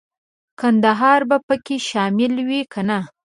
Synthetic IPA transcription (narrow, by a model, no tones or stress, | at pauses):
kand̪aɦɑɾbapəkeʃɑmɪlwikana